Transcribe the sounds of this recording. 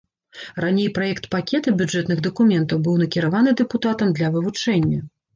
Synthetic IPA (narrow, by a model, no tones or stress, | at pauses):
ranʲejpɾajɛkt̪pakʲɛt̪ɐbʲud͡ʐɛt̪nɨɣd̪ɐkumʲɛnt̪ɐwbɨwnɐkʲiɾavanɨd̪ɛput̪at̪ɐmd̪lʲɐvɨvut͡ʂɛnʲːɐ